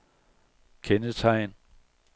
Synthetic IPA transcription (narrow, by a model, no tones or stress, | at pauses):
kʰenət͡sʰɑ̈ɪ̰n